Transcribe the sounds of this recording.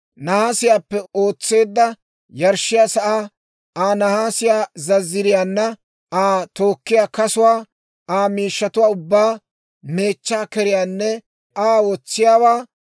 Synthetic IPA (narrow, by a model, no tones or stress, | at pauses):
nɐhaːsɪjaːpːɛo̞ːt͡sːe̞ːd̪ːɐ | jɐɾʃːɪjaːsɐʔaː | aːnɐhaːsɪjaːzɐzːɪɾɪjaːnːɐ | aːt̪oːkːɪjaːkɐsʊwaː | aːmiːʃːɐt̪ʊwaːʊbːaː | me̞ːt͡ʃːaːkɛɾɪjaːnːɛ | aːwɔt͡sːɪjaːwaː